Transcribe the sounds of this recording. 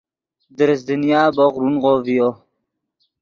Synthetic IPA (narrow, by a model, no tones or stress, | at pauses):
d̪əɾs̬d̪ɪnjaːboɣɾunʁovijo